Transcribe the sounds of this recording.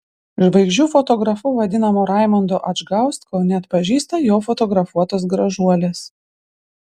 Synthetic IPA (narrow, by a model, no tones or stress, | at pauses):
ʒbɐɪɡʒʲuːfɔt̪ɔɡɾɐfʊʋɐd̪ʲɪnɐmoːɾɑˑɪmɐnd̪oːʔɐd͡ʒɡɑˑʊst̪ʲkonʲɛɐt̪pɐʒʲiːst̪ɐjoːfɔt̪ɔɡɾɐfuɔt̪oːsɡɾɐʒuɔlʲeːs